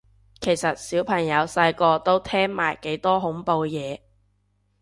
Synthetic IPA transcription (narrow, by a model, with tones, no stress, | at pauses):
kʰe˨˩jsɐ˨t̚siː˨˥wpʰɐ˨˩ŋjɐ˨˧wsɐ˧jkɔː˧t̪o˥wt̪ʰɛː˥ŋma̰ː˨˩jke˨˥jt̪ɔː˥ɦʊ˨˥ŋpo˧wjɛː˨˧